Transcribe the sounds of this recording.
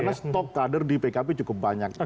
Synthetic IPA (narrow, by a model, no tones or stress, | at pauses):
nast̪ɔkːadərdipekapet͡ʃukʊp̚baɲak̚